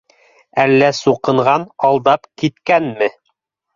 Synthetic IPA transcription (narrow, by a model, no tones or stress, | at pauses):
ælːæsuqɤ̆ɴɢɑnɑlˠd̪ɑpkit̪kænmɘ